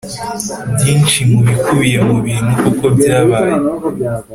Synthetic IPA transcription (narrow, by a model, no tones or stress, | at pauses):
bjiːnʃimuβikʰuβije̞muβiːnukuko̞bjaːβaːje